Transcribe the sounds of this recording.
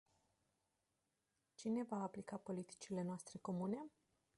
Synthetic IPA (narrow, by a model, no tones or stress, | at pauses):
t͡ʃine̞vaːplikapo̞lit̪i̥t͡ʃile̞noast̪ɾe̞ko̞mune̞